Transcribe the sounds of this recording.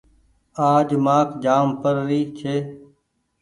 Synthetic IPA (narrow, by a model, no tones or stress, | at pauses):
aːd͡ʒmaːkd͡ʒaːmpəɾːiːt͡ʃʰeː